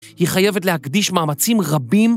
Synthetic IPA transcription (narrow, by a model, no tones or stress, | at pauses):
hiχaje̞vetlehakd̪iʃmaːmat͡simʁabim